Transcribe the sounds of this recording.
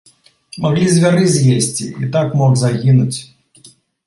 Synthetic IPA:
maɣlʲizʲvʲaɾɨzʲjesʲt͡sʲḭit̪akmɔkzaɣʲinut͡sʲ

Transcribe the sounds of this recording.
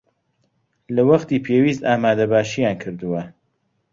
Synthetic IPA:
lɐwɐχt̪iːpʰeːwiːst̪aːmaːd̪ɐbaːʃijaːnkʰɨɾd̪uwɐ

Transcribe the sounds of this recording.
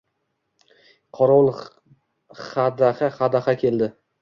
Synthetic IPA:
qʰɒɾɒlˠ | χad̪aχaχad̪aχakʲʰe̞ld̪ɪ

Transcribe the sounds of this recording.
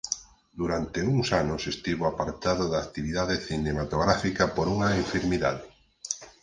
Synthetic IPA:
d̪uɾant̪euŋsanʊsest̪iβoapaɾt̪aðoðakt̪iβiðaðeθinemat̪oɣɾafikɐpoɾuŋɐeɱfiɾmiða̰ðɪ

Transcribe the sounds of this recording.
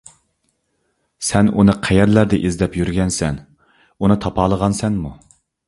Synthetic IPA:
sɛnunɨqʰɛjɛɾlæɾd̪ɛʔizd̪ɛpjyɾɡʲɛnsɛn | unɨt̪ʰɑpʰɑːlˠəʁɑnsɛnmu

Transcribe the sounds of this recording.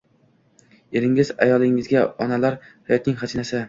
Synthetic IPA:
e̞ɾɪŋɪza̰jɒlˠɪŋɪzɡʲaɒnalaɾ | hajɒt̪nɪŋʲhad͡ʒinasɪ

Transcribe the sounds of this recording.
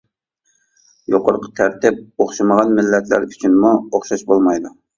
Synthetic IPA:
joqəɾqʰə̥t̪ʰæɾt̪ɪp̚oχʃɨməʁɑnmɪlːɛt̪ʰlæ̰ɾyt͡ʃʰynmuoχʃɑʃbolˠmɑjd̪u

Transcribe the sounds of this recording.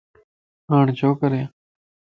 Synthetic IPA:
ãːɳd͡ʒoːkəɾja

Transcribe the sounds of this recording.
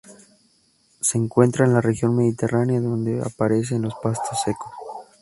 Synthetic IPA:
se̞ːŋkwe̞nt̪ɾaenlare̞xjo̞nme̞ðit̪e̞ranjaðo̞nd̪e̞a̰paɾe̞s̬enlo̞spast̪o̞sːe̞ko̞s

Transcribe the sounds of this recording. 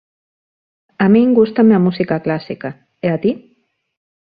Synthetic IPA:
amĩŋɡust̪ameamusikaklasika | eat̪i

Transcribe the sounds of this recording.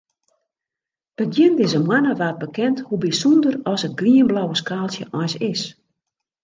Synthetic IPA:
b̥əɡjɪndɪzəmwanəʋaːt̚bəkɛnthubisundərɔsət̚ɡriənblawəskaːlˠsjəʔɔjsɪs

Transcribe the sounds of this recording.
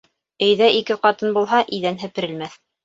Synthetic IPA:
ɵ̆jðæʔikɘqɑt̪ɤnbulˠɦɑʔɘ̆jðænɦɘ̆pɘ̆ɾɘ̆lmæθ

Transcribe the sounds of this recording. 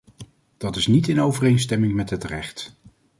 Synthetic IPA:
d̥ɑtɪsnitɪnowvərejnstɛmɪŋmɛtɦətrɛ̰χt

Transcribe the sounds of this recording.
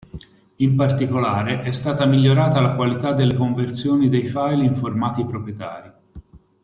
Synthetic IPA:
impart̪ikolaːɾeʔɛst̪aːt̪amiʎːoɾaːt̪alakwalit̪ad̪ːelːekoɱvert̪sjoːnid̪ejfajliɱformaːt̪ipɾopɾjet̪a̰ːɾi

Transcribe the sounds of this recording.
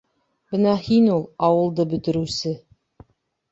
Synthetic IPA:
b̥ɤnɑhinulˠɑwɤ̆lˠd̪ɤbɵ̆t̪ɘ̆ɾʉsɘ

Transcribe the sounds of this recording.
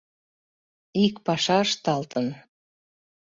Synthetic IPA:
ikpɑʃɑəʃt̪ɑlt̪ən

